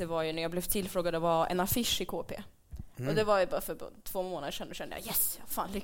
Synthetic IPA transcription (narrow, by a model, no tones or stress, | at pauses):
ɛvaɾjɵnæɾjaːɡblɛvt̪ʰɪlːfɾoːɡad̪ɛvaɛ̰nafɪʂɪkʰoːpḛː | ɔd̪ɛvaɾjbɑːɾafœɾb̰t̪ʰvoːmoːnad̪əʂɛnd̪ɔɕɛnd̪əjɑ̰jɛsjafa̰ːnlʏ